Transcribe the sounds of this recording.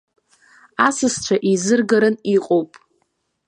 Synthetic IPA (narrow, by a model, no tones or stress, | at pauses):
asɨst͡ʃʷʰaʔizɨrɡaɾɨniqʼowpʼ